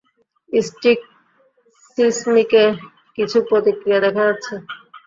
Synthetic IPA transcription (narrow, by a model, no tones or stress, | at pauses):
isʈik̚ | sismike | kit͡ʃʰupot̪ikiad̪ɛkʰat͡ʃʰe